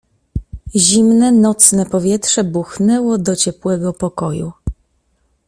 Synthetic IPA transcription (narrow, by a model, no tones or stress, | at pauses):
ʑimnɛnɔt̪snɛpɔvʲjɛt̪ʂɛbuxnɛwɔd̪ɔt͡ɕɛpwɛɡɔpɔkɔju